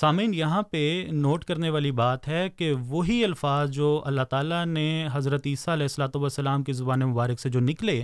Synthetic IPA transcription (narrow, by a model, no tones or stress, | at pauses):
saːmĩːnjɐɦãpenoːʈkɐɾneʋaːlibaːt̪ɦɛkeʋoɦiɐlfaːzd͡ʒoːʔɐ̰lːat̪aːlaneɦɐzɾət̪iːsaɐlɛːɦɪsːəlaːt̪uʋɐsːɐlaːmkezʊbaːnemʊbaːɾɪksed͡ʒoːnɪkleː